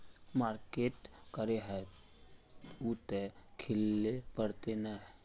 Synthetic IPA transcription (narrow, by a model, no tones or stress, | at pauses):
maːɾkeːʈkəɾeɦɛ | ut̪ekʰɪlːepəɾt̪enaɦ